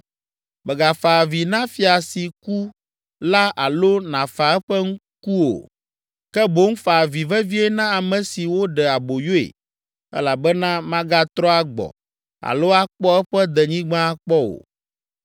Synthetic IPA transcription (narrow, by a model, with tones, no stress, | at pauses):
mɛ˨ɡa˨fa˨vi˨nã˦fi˦a˨si˨ku˦ | la˦ʔa˨lo˦nã˨fa˨ɛ˦ɸɛ˦ŋ̩˦ | ku˦o̰˨ | kɛ˦bo˦ŋ̩˦fa˨vi˨vɛ˦vi˦ɛ˦nã˦a˨mɛ̃˨si˨wo˦ɖɛ˨a˨bo˨jo˦ḛ˨ | ɛ̰˦la˨bɛ˦nã˦mã˦ɡa˦t̪ɾɔ˦a˦ɡ͡bɔ̰˨ | a̰˨lo˦a˦k͡pɔ˦ɛ˦ɸɛ˦d̪ɛ˨ɲĩ˦ɡ͡bã˦a˦k͡pɔ˦o̰˨